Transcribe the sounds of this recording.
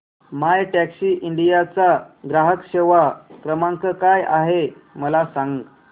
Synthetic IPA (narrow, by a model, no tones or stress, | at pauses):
majʈæksiːʔiɳɖijat͡saɡɾaɦəkɕeʋakɾəmaŋkəkajʔa̰ɦeməlasãŋɡ